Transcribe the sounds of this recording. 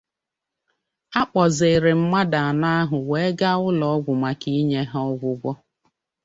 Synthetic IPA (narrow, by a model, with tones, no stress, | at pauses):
a˦k͡pɔ˨ze˨ɾɪ˨m̩˦ma˦da˨a˨na˦a˦ɦʊ˨we˨e˦ɡa˦ʊ˦lɔ˨ɔ˦ɡʷʊ˨ma˨ki˦ɲe˦ɦɔ˦ɡʷʊ˦ɡʷɔ˦